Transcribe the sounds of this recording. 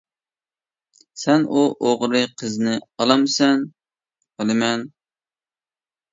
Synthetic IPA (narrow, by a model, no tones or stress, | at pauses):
sɛnuʔoʁɾɨqʰəznɪɑlˠɑmsɛn | qəlˠɨmɛn